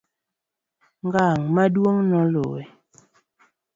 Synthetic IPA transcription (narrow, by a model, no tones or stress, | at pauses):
ŋɡaːŋmadwoŋnɔlo̰e